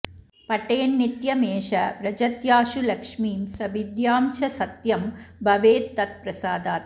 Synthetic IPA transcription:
pɐʈːeːnːit̪jɐmeːʂɐʋɾɐd͡ʒɐt̪jaːʃulɐkʂmiːmsɐʋid̪jaːmt͡ʃɐsɐt̪jɐmbʱɐʋeːd̪̚t̪ɐt̪̚pɾɐsaːd̪aːt̪

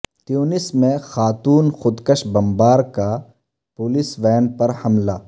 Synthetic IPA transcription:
t̪juːnɪsmẽxaːt̪uːnxʊd̪kəʃbɐmbaːɾka | pʊːlɪsʋɛːnpɐɾhɐmlaː

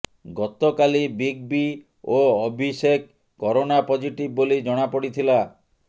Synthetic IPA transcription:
ɡɔt̪ɔkalibiɡ̚bi | oɔbʱisek | kːɔɾonapɔd͡ʒiʈib̚ːolid͡ʒɔɽ̃apɔɽit̪ʰila

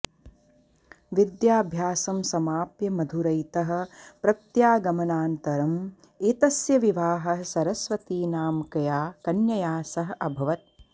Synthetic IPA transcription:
ʋid̪jaːbʱjaːsɐmsɐmaːpjɐmɐd̪ʱuɾɐjt̪ɐɦɐ̆pɾɐt̪jaːɡɐmɐnaːnt̪ɐɾɐm | eːt̪ɐsjɐʋiʋaːɦɐɦɐsɐɾɐsʋɐt̪iːnaːmkɐjaːkɐnjɐjaːsɐɦɐʔɐbʱɐʋɐt̪̚

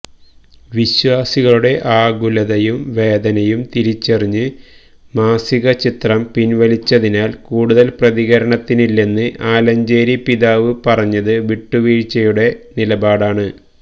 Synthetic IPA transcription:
ʋiɕwaːsiɣɐɭuɽe̞ʔaːɡulɐðɐjumʋe̞ːd̪ɐnɐjumt̪iɾit͡ɕːeriɲːɨ | maːsiɣɐt͡ɕit̪rɐmpinʋɐlit͡ɕːɐðinaːlkuːɽuðɐlprɐðiɣɐɾɐɳɐt̪ːinilːenːɨʔaːlɐɲd͡ʑeːɾipiðaːʋɨpɐrɐɲːɐðɨʋiʈːuʋiːɻt͡ɕːɐjuɽe̞nilɐbaːɽaːɳɨ

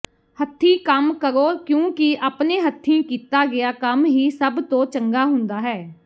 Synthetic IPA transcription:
hət̪ʰːiːkəmkəɾoːkjõːkɪʔaːpneːɦət̪ʰːĩːkiːt̪aːɡɪaːkəmɦiːsəbt̪õːt͡ʃəŋɡaːɦʊ̃nd̪aːɦɛː

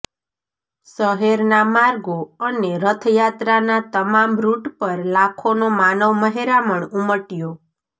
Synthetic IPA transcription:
səɦeɾnamaɾɡoəneɾət̪ʰəjat̪ɾanat̪əmamɾuʈpəɾlakʰonomanəʋməɦeɾaməɳuməʈijo

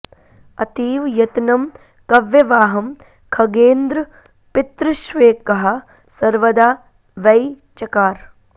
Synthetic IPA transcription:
ɐt̪iːʋjɐt̪nɐm | kɐʋjɐʋaːɦɐm | kʰɐɡeːnd̪ɾɐ | pɪt̪ɾɨʃʋeːkːɐɦɐ | sɐɾʋɐd̪aː | ʋɐj | t͡ʃɐkaːɾ

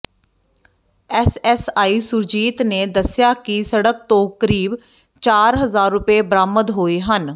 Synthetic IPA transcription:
ɛːsɛsaːiːsʊɾd͡ʒiːt̪neːd̪əsɪjaːkisəɽək̚t̪õːkəɾiːb | t͡ʃaːɾɦəzaːɾːʊpeːbəɾaːməd̪ɦoːiːɦən

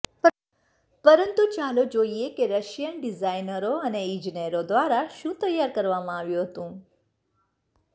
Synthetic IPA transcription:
pəɾənt̪ut͡ʃalod͡ʒoiekeɾəʃjənɖizajnəɾoəneĩd͡ʒineɾod̪ʋaɾaʃũːt̪əjːaɾkəɾʋamãaʋjũɦət̪ũː

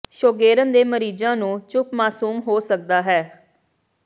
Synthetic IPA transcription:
ʃoːɡeːɾənd̪eːməɾiːd͡ʒãːnũːt͡ʃʊpmaːsuːmɦoːsək̚d̪aːɦɛː

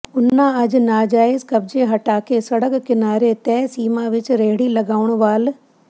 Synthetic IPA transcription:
ʊnːãɐd͡ʑnaːd͡ʒaːɪzkɐb̚d͡ʑeɦɐʈaːkesɐɽəkkɪnaːɾet̪ɛːsiːmaʋɪt͡ɕɾeɦɽilɐɡaːʋʊɽ̃ʋaːl

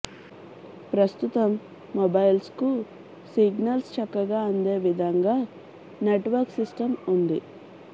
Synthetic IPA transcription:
pɾɐst̪ut̪ɐmː | obɐjlsku | siɡnɐlst͡ʃɐkːɐɡaːɐnd̪e̞ːʋid̪ʱɐŋɡaː | neʈʋɐɾksisʈɐmund̪ḭ

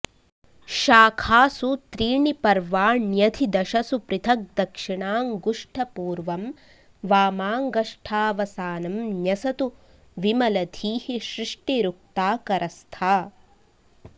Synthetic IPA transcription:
ʃaːkʰaːsut̪ɾiːɳipɐɾʋaːnjɐt̪ʰid̪ɐʃɐsupɾɪt̪ʰɐk̚d̪ɐkʂiɳaːŋɡuʂʈʰɐpuːɾʋɐm | ʋaːmaːŋɡɐʂʈʰaːʋɐsaːnɐmnjɐsɐt̪u | ʋimɐlɐd̪ʰʱiːhiʃɾɪʂʈiɾuk̚t̪aːkɐɾʔɐst̪ʰaː

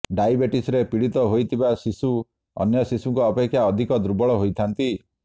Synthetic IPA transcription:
ɖajbeʈisɾepiɽit̪ɔɦojt̪ʰibasisu | ɔ̰njɔsisuŋkuɔpekʰːjaɔd̪ʱikɔd̪ɾubɔɭɔɦojt̪ʰant̪i

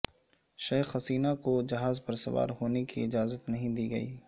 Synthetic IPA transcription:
ʃɐːxɐsiːnakod͡ʒɐɦaːzpɐɾsɐʋa̰ːɾɦoːnekḭɪd͡ʒaːzət̪nɐɦĩd̪iːɡɐḭː

